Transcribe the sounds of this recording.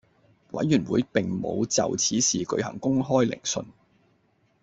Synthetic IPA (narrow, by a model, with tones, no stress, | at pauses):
wɐ̰˨˥jːyː˨˩nwuː˨˧jpɪ˨ŋmo̰˨˧wt͡sɐ̰˨wt͡sʰiː˨˥siː˨kɵ̰˨˧ɥhɐ̰˨˩ŋkʊ˥ŋɦɔː˥jlɪ̰˨˩ŋsɵ̰˧n